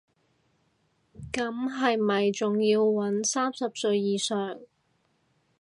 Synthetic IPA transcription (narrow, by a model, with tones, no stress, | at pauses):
kɐ˨˥mɦɐ˨jmɐ˨jt͡sʊ˨ŋjiː˧wwɐ˨˥nsaː˥msɐ˨p̚sɵ˧ɥjiː˨sœː˨ŋ